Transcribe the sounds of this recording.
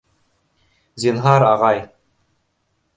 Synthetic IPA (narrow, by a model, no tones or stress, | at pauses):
zinɦɑɾɑʁɑj